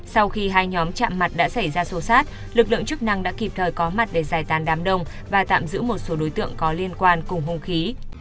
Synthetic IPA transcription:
sa˧wxi˧ɦaː˧jɲɔ˨˦mt͡ɕa̰ː˧˨mːa˨˩t̚ɗa̰ː˧˥sa˧˩jzaː˧so˨˧˦saː˦˥t̚ | lɨ˨˩k̚lɨ̰˧˨əŋt͡ɕɨ˦˥k̚na˧ŋɗa̰ː˧˥ki˨˩p̚t̪ʰəː˨˩jkɔ˨˦ma˨˩t̚ɗe˧˩zaː˨˧˩jt̪aː˨˩nɗaː˨˦mɗə˧wŋ͡m | vaː˨˩t̪a̰ː˧˨mzɨ̰˧˥mo˨˩t̚so˨˦ɗo˨˦jt̪ɨ̰˧˨əŋkɔ˨˦li˧ənkwaː˧nkʊ˨˩ŋ͡mɦʊ˧ŋ͡mxi˨˦

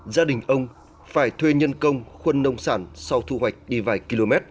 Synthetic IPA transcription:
zaː˧ɗï˨˩ŋ̟ʔə˧wŋ͡m | faː˧˩jt̪ʰwe˧ɲə˧nkə˧wŋ͡mxwə˧nːə˧wŋ͡msaː˧˩nsa˧wt̪ʰṵ˧ɦwa˨˩jk̟̚ɗi˧vaː˧˨˩jki˧lo˧mɛ˦˥t̚

